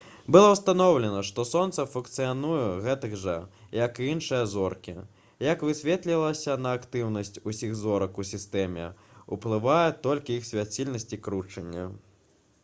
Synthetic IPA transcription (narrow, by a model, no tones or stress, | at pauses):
bɨlˠɔwst̪anɔwlʲɛnɐʂt̪ɔsɔnt̪sɐfunk̚t̪sɨjanujɛɣɛt̪ɨɣʐɐjɐkinʂɨjɐzɔrkʲḭ | jɐkvɨsʲvʲɛt̪lʲilˠɐsʲɐnɐːkt̪ɨwnɐsʲt͡sʲusʲiɣzɔɾɐkusʲist̪ɛmʲɛ̰uplˠɨvajɛt̪ɔlʲkʲiixsʲvʲat͡sʲilʲnɐsʲt͡sʲikɾut͡ʂɐnʲːɐ̰